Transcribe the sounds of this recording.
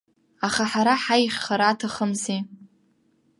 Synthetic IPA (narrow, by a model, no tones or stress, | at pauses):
aχaħaɾaħajχʲχaɾatʰaχəmzi